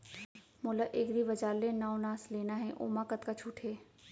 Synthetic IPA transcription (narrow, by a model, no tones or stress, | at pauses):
mʊlaʔeːɡɾiʋɐd͡ʒaːlːẽnaːonaːsleːnaɦɛ̃ʔo̰ːmaːkət̪kat͡ʃʰuːʈʰeː